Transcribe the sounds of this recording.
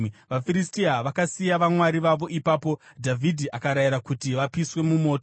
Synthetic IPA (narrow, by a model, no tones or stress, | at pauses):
ʋafiɾistiaʋakasijaʋamwaɾiʋaʋo̞ʔipaːpo̞dʱavʱidʱiʔakaɾajiɾakutiʋapiswe̞mumo̞ːto